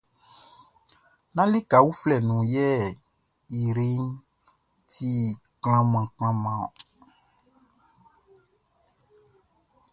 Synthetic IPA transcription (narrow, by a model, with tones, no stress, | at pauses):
nã˦li˦ka˨wu˦flɛ˦˨nũ˨jɛ˦˨ | i˨ɾi˦n | ti˦kl̃ã˦mã˨kl̃ã˦mã˨